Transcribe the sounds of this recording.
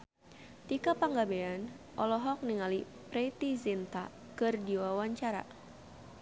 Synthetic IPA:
t̪ikapaŋɡabean | ʔɔlɔɦɔk̚niŋali | pɾɛt̪izint̪a̰ | kɨrdiwawaɲt͡ʃaɾa̰

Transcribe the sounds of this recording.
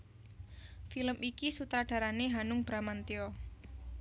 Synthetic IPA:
filəmikisut̪ɾaɖ̥a̤ɾaneɦanʊŋb̥ɾamant̪iɔ

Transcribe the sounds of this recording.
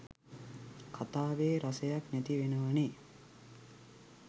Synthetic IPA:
kʰat̪aːʋeːɾasəjaknæt̪iʋenəʋane

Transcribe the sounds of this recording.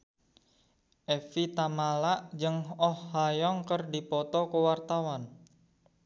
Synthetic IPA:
ʔɛfit̪amalaʔd͡ʒəŋɔhːajɔŋkərdipɔt̪ɔkəwart̪awan

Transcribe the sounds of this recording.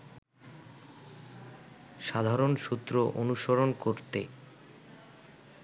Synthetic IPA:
ʃad̪ʱaɾonʃut̪ːɾoʔonuʃoɾonkoɾt̪e

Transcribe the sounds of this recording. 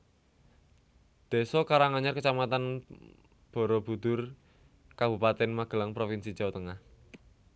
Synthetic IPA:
d̪̥e̤sɔkaɾaŋaɲarkət͡ʃamat̪an | b̥ɔ̤ɾɔb̥ṳd̪̥ʊr | kab̥ṳpat̪ɛnmaɡ̥ə̤laŋpɾofinsi̥d͡ʒ̥a̤wt̪əŋah

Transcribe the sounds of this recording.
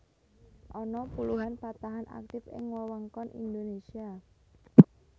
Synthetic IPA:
ʔɔnɔpuluɦanpat̪aɦanʔa̰k̚t̪ɪfɪ̰ŋwawɔŋkɔnʔḭnd̪onesia

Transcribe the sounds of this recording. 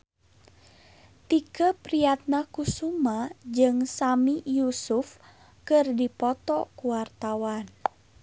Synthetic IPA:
t̪ikəpɾijat̪̚nakusumad͡ʒɨŋsamijusuf | kɨrdipɔt̪ɔkuwart̪awan

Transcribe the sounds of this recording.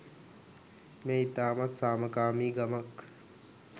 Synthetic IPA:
meːit̪aːmat̪saːməkaːmiːɡamak

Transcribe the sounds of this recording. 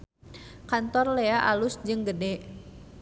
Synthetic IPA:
kant̪ɔrleaʔalʊsd͡ʒɨŋɡədɛʔ

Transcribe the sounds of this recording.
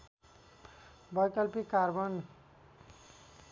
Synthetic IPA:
bʌjkʌlpikaɾbʌn

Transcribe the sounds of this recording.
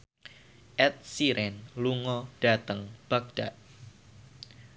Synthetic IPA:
ʔɛt̪̚siɾɛnluŋɔd̥at̪əŋb̥ak̚d̥aʔ

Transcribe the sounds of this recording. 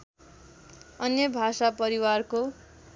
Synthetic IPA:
ʌnjʌbʱasapʌɾiwarko

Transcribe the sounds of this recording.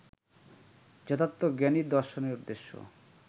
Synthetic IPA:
d͡ʑɔt̪ʰat̪ːoɡɛniɾd̪ɔɾʃoneɾud̪ːeʃːo̰

